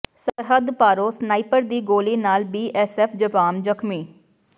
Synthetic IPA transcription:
səɾɦəd̪paːɾoːsnaːipəɾd̪iːɡoːliːnaːlbiːʔɛsɛːpʰd͡ʒəpaːmd͡ʒəkʰmiː

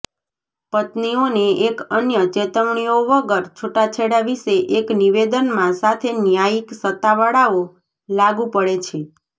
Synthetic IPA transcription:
pət̪nioneekənjət͡ʃet̪əʋɳ̃ioʋəɡəɾt͡ʃʰoʈat͡ʃʰeɽaʋiʃeʔekniʋed̪ənmãsat̪ʰenjajiksət̪ːaʋəɽao | laɡũpəɽet͡ʃʰe

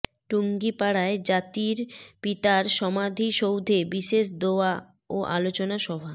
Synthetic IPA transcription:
ʈuŋɡipaɽaed͡ʑat̪iɾpit̪aɾʃɔmad̪ʱiʃowd̪ʱebiʃeʃd̪oa | oʔa̰lot͡ɕonaʃɔbʱa

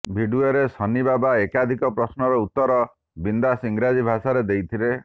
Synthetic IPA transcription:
bʱiɖueɾesɔnibabaekad̪ʱikɔpɾɔsnɔɾɔut̪ːɔɾɔ | bind̪asiŋɡɾad͡ʒibʱasaɾed̪ejt̪ʰile

